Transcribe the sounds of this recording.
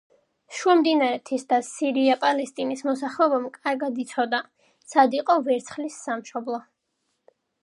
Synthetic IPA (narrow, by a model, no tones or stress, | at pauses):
ʃuamd̪inaɾɛt̪ʰisd̪asiɾiapʼalɛst̪ʼinismɔsaχlɛɔbamkʼaɾɡad̪it̪sʰɔd̪a | sad̪iqʼɔvɛɾt̪sʰχlisːamʃɔblˠɔ